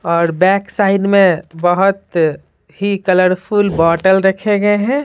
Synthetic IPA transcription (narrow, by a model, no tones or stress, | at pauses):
ɔːɾbɛːksaːɪɖmẽbəɦʊt̪ | hikɐləɾpʰulbɔːʈəlɾɐkʰeɡɐeɦɛ̃ː